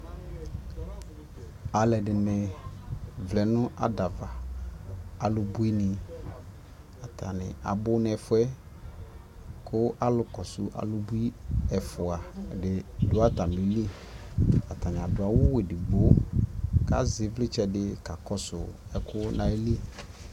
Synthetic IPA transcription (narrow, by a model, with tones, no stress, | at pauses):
a˨lɛ˨dɪ˨nɪ˨ | vlɛ˨nʊ̃˦ʔa˨da˨va˨ | a˨lʊ˨bu˦i˦nɪ˨ | a˨tʰa˨nɪ̰˨a̰˨bʊ˦n˨ɛ˨fʊ˦ɛ˦ | kʰʊ˦ʔa˦lʊ˨kɔ˨sʊ˨ʔa̰˨lʊ˦bu˦i˦ɛ˨fʊ˨a˨dɪ˨dʊ˨˦a˦ta˨ni˨˦li˦ | a˨t̪ʰa˨nɪ˨a˨dʊ˨a˨wʊ˦we˨dɪ˨bo˦ | ka̰˦zɪ˨˦vlɪ˦t͡ʃɛ˦dɪ˦ka˨kɔ˦sʊ˨ɛ˨kʰʊ˦nã˨e˦li˦